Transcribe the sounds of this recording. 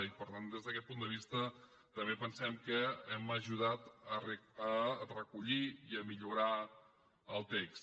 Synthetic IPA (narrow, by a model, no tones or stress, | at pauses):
ipəɾt̪and̪ezðəkɛt̪̚pund̪əβ̞ist̪ə | t̪əmbepənsɛmkəɛməʒuð̞at̪ərərəkuʎiiəmiʎuɾa | əlˠt̪eks